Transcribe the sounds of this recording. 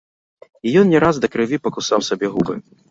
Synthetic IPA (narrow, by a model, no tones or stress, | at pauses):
ijɔnnʲɛɾazd̪ɐkɾɨvʲipɐkusawsabʲɛɣubɨ̰